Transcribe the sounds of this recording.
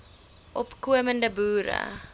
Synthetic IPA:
ʔɔpkuəməndəbuːɾə̰

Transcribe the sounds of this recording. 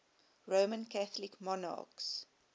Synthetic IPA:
ɹoʊmə̃nkaθəlɪkmɔnɑ̰ːks

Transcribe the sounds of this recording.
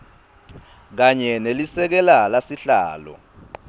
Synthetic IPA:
k̬aɲɛnelisɛk̬ɛlalasiɬaːlɔ̰

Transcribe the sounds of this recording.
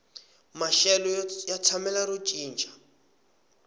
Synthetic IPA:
maʃɛlɔjat͡sʰamɛlaɾut͡ʃʼiːnt͡ʃʼḁ

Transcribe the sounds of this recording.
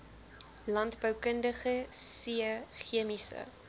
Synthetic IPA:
lɐntbœwkəndəχəsiəχiəmisə̰

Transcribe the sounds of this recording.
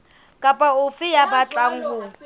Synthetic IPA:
kʼapʼaʊfɪjabat͡ɬʼaŋ̩ɡʊ

